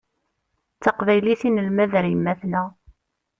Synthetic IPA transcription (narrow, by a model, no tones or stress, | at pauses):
t͡sːɑqvæjliθinəlmæðɾjmːæθnæ